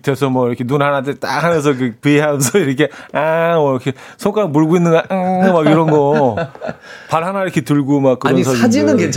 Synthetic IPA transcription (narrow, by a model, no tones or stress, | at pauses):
te̞sʰʌmwʌiɾʌkʰenunɦanatet͈a̰k̚hamjʌns̬ʰʌkʰepieɦamʌnsʰʌiɾʌkʰe̞amʌɾʌkʰe | sʰoŋk͈amuɭɡoinːɯŋɡaʔmaɡiɾʌnɡʌ | paɭɦanaiɾʌkʰe̞tɯɭɡomak̚kɯɾʌns̬ʰad͡ʑiad͡ʑinɯnɡe